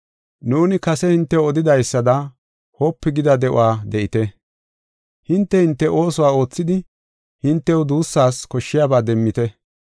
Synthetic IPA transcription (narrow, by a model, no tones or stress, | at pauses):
nuːnɪkɐsɛhɪnt̪ːɛwɔd̪ɪd̪ɐjsːɐd̪ɐ | hoːpːɪɡɪd̪ɐd̪ɛʔʊ̰waːd̪ɛʔɪt̪ɛ | hɪnt̪ːɛhɪnt̪ːɛʔo̞ːsʊwaːo̞ːt͡sːɪd̪ɪ | hɪnt̪ːɛwd̪uːsːaːskɔʃːɪjaːbaːd̪ɛmːɪt̪ɛ